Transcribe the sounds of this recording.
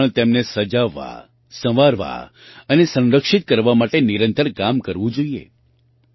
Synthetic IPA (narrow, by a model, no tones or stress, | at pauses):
ɭt̪emnesəd͡ʒaʋːa̰ | sə̃ʋaɾʋa̰ | ənesə̃nɾəkʂit̪̚kəɾʋamaʈeniɾə̃nt̪əɾkamkəɾʋũd͡ʒoiḛ